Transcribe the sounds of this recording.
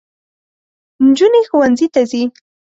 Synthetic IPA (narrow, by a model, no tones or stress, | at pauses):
nd͡ʒunexuwanzit̪azi